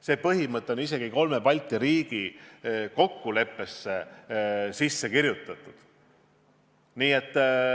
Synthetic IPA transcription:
se̞ːpɤɦimɤt̪ːˑeo̞nise̞ɡ̥iko̞lme̞pɑlʲt̪ˑiɾiːɡ̥iko̞kːule̞pːe̞sːe̞ | sisːe̞kiɾjut̪ːˑɑt̪ːˑud̪̥ | niːe̞t̪ːˑ

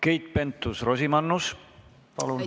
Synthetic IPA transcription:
ke̞jt̪̚ˑpe̞nt̪ːˑusro̞sʲimɑnːus | pɑlun

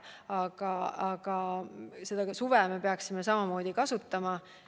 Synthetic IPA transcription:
ɑɡ̥ɑɑɡ̥ɑse̞d̪̥ɑsuvɛme̞peɑksime̞sɑmɑmo̞ːd̪̥ikɑsut̪ːɑmɑ

